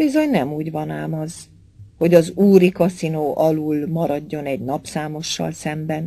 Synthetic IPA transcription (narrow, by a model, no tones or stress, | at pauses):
bizo̞ɲnɛmuːɟvɒnaːmɒz | ho̞ɟɒzuːɾikɒsinoːʔɒluːlmɒɾɒɟːo̞nɛɟnɒpsaːmo̞ʃːɒ̰lsɛmbɛn